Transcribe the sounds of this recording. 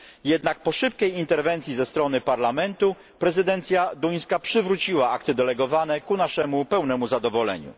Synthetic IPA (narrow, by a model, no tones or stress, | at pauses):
jɛd̪nak̚pɔʂɘpkʲɛjint̪ɛɾvɛnt̪sʲjizɛst̪ɾɔnɘpaɾlamɛnt̪u | pɾɛzɘd̪ɛnt̪sʲjad̪uj̃skapʂɘvɾut͡ɕiwaakt̪ɘd̪ɛlɛɡɔvanɛkunaʂɛmupɛwnɛmuzad̪ɔvɔlɛ̰ɲṵ